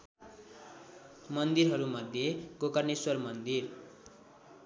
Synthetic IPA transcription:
mʌnd̪iɾɦʌɾumʌd̪ʱjeɡokʌrneswʌrmʌnd̪ir

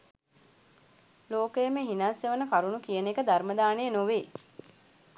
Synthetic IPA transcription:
loːkəjəmeɦinaːsjəʋənəkaɾunukijənekəd̪arməd̪aːnejənoʋeː

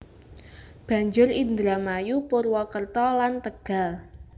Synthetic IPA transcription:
b̥a̤ɲd͡ʒʊrind̪ɾamajupʊrwɔkərt̪ɔlant̪əɡ̥a̤l

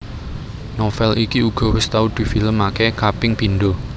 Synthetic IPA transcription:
nɔfɛlʔikiuɡ̥ɔ̤wɪst̪aud̪̥i̤filəmakɛkapɪŋpinɖɔ

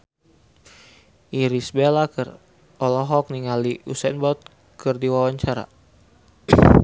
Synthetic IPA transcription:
iɾisbelakər | ɔlɔɦɔk̚niŋaliʔusɛnbɔt̪̚ | kɨrdiwawaɲt͡ʃaɾa̰

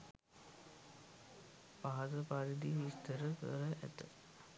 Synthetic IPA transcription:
paɦɐt̪əpaɾid̪iʋist̪əɾəkə̰ɾəʔæ̰t̪ə

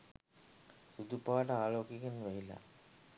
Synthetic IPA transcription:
sud̪upaːʈəaːloːkikenʋæɦila̰

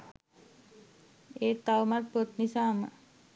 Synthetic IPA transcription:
et̪awmat̪̚pət̪nisaːma̰

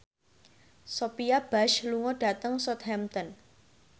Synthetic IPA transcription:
sopiab̥aʃluŋɔɖ̥a̤t̪əŋsɔt̪hɛmt̪ɔn

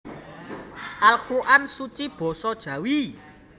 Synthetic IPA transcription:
ʔalkuʔansut͡ʃib̥ɔ̤sɔd̥ʒ̥ä̤wi

